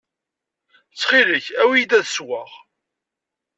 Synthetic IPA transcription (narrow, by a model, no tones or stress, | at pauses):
t͡sːχiləçæwid̪æðswaʁ